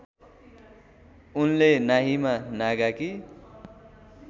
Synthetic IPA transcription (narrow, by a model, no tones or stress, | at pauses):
unlenaɦimanaɡaki